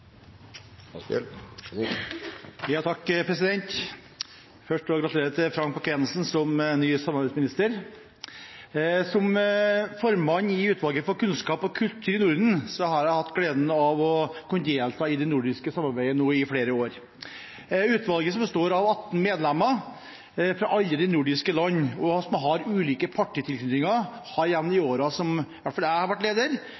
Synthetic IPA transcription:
jɑːt̪ʰɑkːpʰɾɛsɪd̪ɛnt̪ | fœʂʈɔɡɾɑt̪ʉleːɾət̪ʰɪfɾɑŋk̚pɑkɛnəlsn̩sɔmnyːsɑmːɑɾbæɪsmɪnɪst̪əɾ | sɔmfɔɾmɑɲːɪʉːt̪ʰʋɑlɡəfɔɾkʉnskɑːpɔkʰʉlt̪ʰːɪɾɪnʊɾd̪n̩sɔhɑɾjæɪhɑt̪ːɡleːd̪nəɑʋɔkʰʊnd̪eːlt̪ʰɑːɪd̪ɛnʊɖɪskəsɑmːɑɾbæɪənuːɪfɽeːɾəoːɾ | ʉːt̪ʋɑlɡəsɔmbəst̪oːɾɑʋɑt̪ːn̩meːd̪lɛmːə | fɾɑʔɑlːəd̪ɛnʊɖɪskəlɑnːɔsɔmɦɑɾʉːliːkəpʰɑʈːɪt̪ʰɪlkʰnʏt̪ɪŋɑ | hɑɾjɛʋnɪoːɾɑsɔmɪʋæʈːfɑlæɪhɑɾʋæʈːleːd̪əɾ

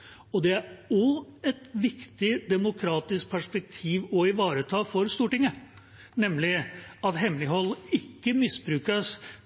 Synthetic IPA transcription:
ɔd̪ɛæɔɛt̪ʋɪkt̪ɪd̪ɛmʊkʰɾɑːt̪ɪsk̚pʰæʂpɛk̚t̪ʰiːʋɔɪʋɑːɾət̪ʰɑːfɔɾst̪uːʈɪŋːə | nɛmlɪɑt̪ɦɛmlɪɦɔlːɪkːəmɪsbɾʉːkəs

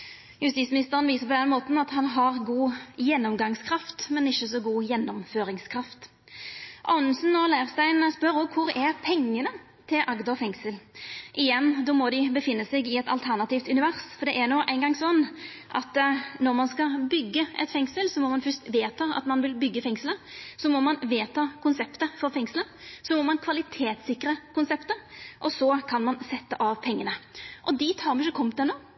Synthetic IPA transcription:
jʉst̪iːsmɪnɪst̪əʁənʋiːsəp̬ɔd̪ɛnmoːt̪n̩ɑt̪hɑnɦɑʁɡuːjɛnːɔmɡɑŋskʰɾɑft̪mɛnɪçːəsɔɡuːjɛnːɔmføːɾɪŋskʰɾɑft̪ | ʔɑ̰nsn̩ɔlæɪʁst̪æɪnspœɾɔkʰʊɾɛʁpʰɛŋːənə | t̪ʰɪlʔɑɡd̪ɑfɛŋsəlʔɪjɛnːd̪oːmɔd̪ɪbəfɪnːəsɛɡɪɛt̪ɑ̰lt̪ʰæʁnɑt̪iːft̪ʉnɪʋæʁsfɔɾd̪ɛʔæɾnoːʔæɪnɡɑŋsɔnː | ʔɑ̰t̪nɔɾmɑnskɑbʏɡːəʔɛ̰t̪fɛŋsəlsɔmɔmɑnfœst̪ʋeːt̪ʰɑɑ̰t̪mɑnʋɪlbʏɡːəfɛŋsələsɔmɔmɑnʋeːt̪ʰɑːkʰʊnsɛpt̪əfɔɾfɛŋslə | sɔmɔmɑnkʰʋɑlɪt̪ʰeːt̪sɪkːɾəkʊnsɛpt̪əɾʔɔsɔkʰɑnmɑnsɛt̪ːəʔɑːʋpʰɛŋːənəʔɔd̪ɪt̪hɑɾmnɪʃəkʰɔmt̪ɛnoː

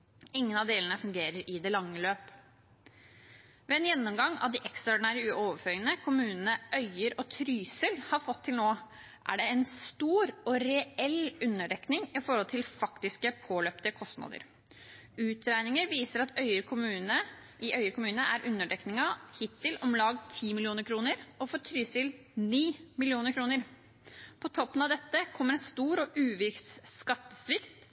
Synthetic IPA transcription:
ɪŋːənɑʋd̪eːlənəfʉŋɡeːɾəɾʔɪd̪ɛlɑŋːəløːp | ʋɛːɛːnjɛnːɔmɡɑŋːɑ̰ʋd̪ɪʔɛksɑɖɪnæːɾəʉoːʋəfœːənəkʰʊmʉːnnəʔœʏəɾɔt̪ʰɾyːsəlhɑɾfɔt̪ʰːɪlnoː | ʔæ̰ɖɛɛnst̪uːɾɔɾɛɛlʉnːəɖɛknɪŋɪfɔɾhɔlt̪ʰɪlfɑkt̪ɪskəpʰoːløːpt̪əkʰɔst̪nɑ̰d̪ə̰ɾ | ʉːt̪ʰɾæɪnɪŋəɾʋiːsəɾɑt̪ʰœʏəɾkʰʊmʉːnə | ʔɪʔœʏəkʰʊmʉːnəʔæɾʔʉnːəɖɛknɪŋɑhɪt̪ːɪlʔɔmlɑːɡt̪ʰiːmɪlɪuːnəɾkʰɾuːnəɾɔfɔɾt̪ʰɾyːsɪl | niːmɪlɪuːnəɾkʰɾuːnəɾ | pʰɔt̪ʰɔpːənɑʋd̪ɛt̪ːəkʰɔmːəɾɛnst̪uːɾɔʔʉːʋɪksːkɑt̪ːəsʋɪkt̪

